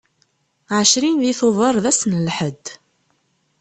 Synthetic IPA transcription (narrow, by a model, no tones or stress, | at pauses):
ʕəʃɾinðiθoðˤəɾˤðæsnlħəd̪